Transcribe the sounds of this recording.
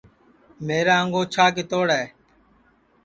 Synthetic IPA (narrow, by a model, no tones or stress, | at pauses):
meːɾaːəŋɡoːt͡ʃʰaːk̬et̪oːɽɛː